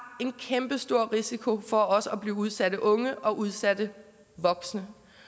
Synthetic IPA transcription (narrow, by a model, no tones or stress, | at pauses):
e̝nkʰemb̥əsd̥o̝ɐ̰ʁisikʰo̝fɒ̽ɒ̽sɒb̥liːuð̞ˠsæɾ̥əʔɔ̽ŋəʔɒ̽ʔuð̞ˠsæd̥ə | ʋɒ̽ɡ̥snə